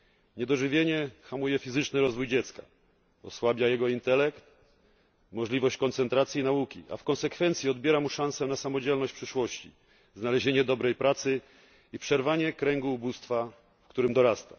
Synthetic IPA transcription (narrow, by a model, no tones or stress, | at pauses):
ɲɛd̪ɔʐɘvʲjeɲɛxamujɛfʲizɘt͡ʂnɘɾɔzvujd͡ʑɛt̪ska̰ | ɔswabʲjajɛɡɔint̪ɛlɛkt̪ | mɔʐlʲivɔɕt͡ɕkɔnt̪sɛnt̪ɾat̪sʲjinaukʲḭʔa̰fkɔnsɛkfɛnt̪sʲjiɔd̪bʲjɛɾamuʂãñsɛnasamɔd͡ʑɛlnɔɕt͡ɕpʂɘʂwɔɕt͡ɕḭ | znalɛʑeɲɛd̪ɔbɾɛjpɾat̪sɘ | ipʂɛɾvaɲɛkɾɛŋɡuːbust̪fa | fkt̪uɾɘmd̪ɔɾast̪a